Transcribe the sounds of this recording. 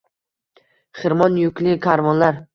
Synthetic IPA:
χɨɾmɒnjʊkʰʲlɪkʲʰaɾvɒnlaɾ

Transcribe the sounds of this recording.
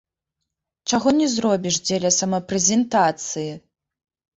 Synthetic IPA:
t͡ʂaɣɔnʲɛzrɔbʲiʂd͡zʲɛlʲɐsɐmɐpɾɛzʲɛnt̪at̪sɨji

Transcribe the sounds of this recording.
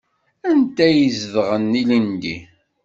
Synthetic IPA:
ænt̪æjəzðʁənːilind̪ḭ

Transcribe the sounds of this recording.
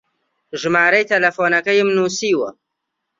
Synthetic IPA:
ʒɨmaːɾɐjt̪ʰɐlɐfoːnɐkɐjmnuːsiːwɐ

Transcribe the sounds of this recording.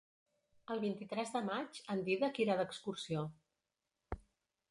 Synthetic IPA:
əlˠβint̪it̪ɾɛzðəmad͡ʒənd̪iðəkiɾaðəkskursio

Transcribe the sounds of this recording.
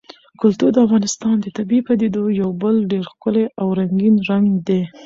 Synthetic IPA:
kʊlt̪uɾd̪əafɣɑnɪst̪ɑnd̪ət̪abipad̪ed̪ojawbəlɖeɾxkʊleʔawɾaŋɡinɾaŋɡd̪e

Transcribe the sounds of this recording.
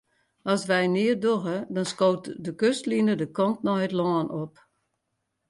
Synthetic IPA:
ɔsʋɛjnɪərdoɣədɔnskoːtdəkøstlinədəkɔntnɔjətlɔənop

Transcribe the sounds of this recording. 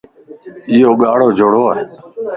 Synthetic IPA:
ɪjoːɠaːɽoːd͡ʒʱʊɽoːae

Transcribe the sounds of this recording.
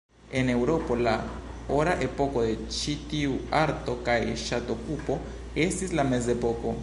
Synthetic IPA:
ene̞wɾopolaoɾaʔepokodet͡ʃitiuaɾtokajʃatokupo̞ | estislamezepoko

